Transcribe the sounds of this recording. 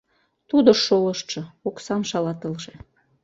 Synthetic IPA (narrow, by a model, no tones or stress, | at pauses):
t̪ud̪ŏʃoləʃt̪ʃɤ̆oksɑmʃɑlɑt̪əlʒe